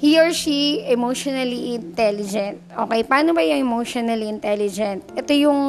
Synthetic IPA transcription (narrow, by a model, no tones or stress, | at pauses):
hioɹʃiɛmowʃonɐliʔɪnt̪ɛlɪd͡ʒɛnt̪ʔoːkɛjpɐaːnobɐjʊŋɛmowʃonɐliɪnt̪ɛlɪd͡ʒɛnt̪̚ʔɛt̪ojʊŋ